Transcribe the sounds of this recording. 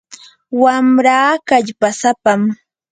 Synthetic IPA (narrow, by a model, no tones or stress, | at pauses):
wamɾaːkaʎpasapam